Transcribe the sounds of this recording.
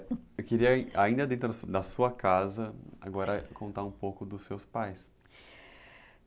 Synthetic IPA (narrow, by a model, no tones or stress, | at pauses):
ewkeɾiɐaĩnd̪ɐd̪ẽnt̪ɾʊd̪ɐsuɐkazɐa̰ɡɔɾɐkõnt̪aɾũpowkʊd̪ʊsewspajs